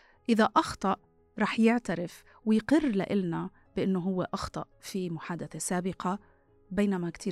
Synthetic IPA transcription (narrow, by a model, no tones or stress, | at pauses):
ʔɪðaʔɑxt̪ˤɑʔ | ɾˤɑːħjɪʕt̪aɾɪf | wɪjqɪrːla̰ʔɪlna | b̥ɪʔɪnːʊɦʊwːeʔɑxt̪ˤɑ̰ʔfimʊħaːd̪aθasaːbɪqɑ | beːnamakt̪ʰiː